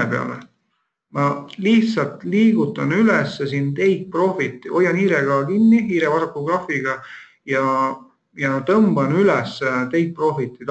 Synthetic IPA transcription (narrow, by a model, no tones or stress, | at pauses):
epe̞ɑ̰lḛ | mɑliht̪sɑlt̪ˑliːɡut̪ːˑɑnylɛsːesint̪e̞jt̪̚pro̞fit̪ːˑiʔo̞jɑniːɾeɡ̥ɑɑkinʲːiiːɾevɑsɑk̪ːuɡ̥rɑfiɡ̥ɑ | jɑ | jɑt̪ɤmbɑnylɛsːt̪e̞jt̪̚pro̞fit̪ːˑit̪